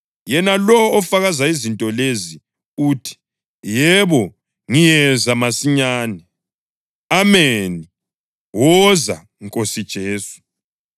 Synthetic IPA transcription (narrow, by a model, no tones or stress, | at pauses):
jɛnalɔɔfaɣazaizintʼɔlezi | uːtʰi̥ | jɛβɔ | ŋijɛzamasiɲaːnɛ | ameni | wɔza̰ | ŋkʼosid̥ʒ̥ʱeːsu̥